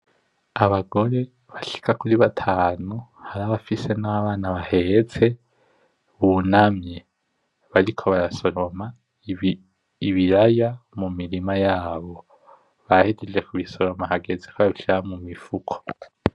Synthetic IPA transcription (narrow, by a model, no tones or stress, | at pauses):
aβaɡo̞ɾe̞ | βaʃi̥kakuɾiβatʰaːnuhaɾaβafise̞naβaːnaβahe̞t͡se̞ | βunamɲe | βaɾikʰo̞βaɾaso̞ɾo̞ma | iβiɾajamumiɾimajaːβo̞ | βahided͡ʒe̞kuβiso̞ɾo̞maɦaɡe̞zekoβaβiʃiɾamumifukʰo̥